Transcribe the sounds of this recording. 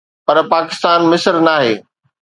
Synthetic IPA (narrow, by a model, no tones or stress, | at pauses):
pɐɾpaːkɪst̪aːnmɪsəɾnaːɦeː